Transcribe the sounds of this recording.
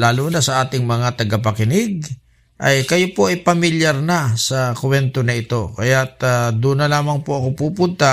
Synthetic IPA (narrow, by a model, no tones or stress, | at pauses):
laːlunɐsɐʔaːt̪ɪŋmɐŋat̪ɐɡap̬ɐkɪnɪɡ̚ | ʔɐjkɐjopo̞ʔɐjpɐmɪljaɾnɐasɐkwɛnt̪onɐɪt̪o̞kɐjat̪ad̪unɐlaːmɐŋpoʔɐko̞puːpʊnt̪a